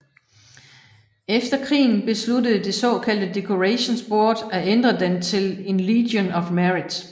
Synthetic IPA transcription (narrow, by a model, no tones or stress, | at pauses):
efd̥ɐkʰʁḭːn̩b̥e̝sludəð̞̩ˠd̥e̝sɒ̰̽kʰæl̰d̥əd̥e̝kʰo̝ʁeɕonsb̥o̝ɐd̥æend̥ʁɐd̥ent͡sʰe̝le̝nliːdjonɒ̽fmæʁid̥s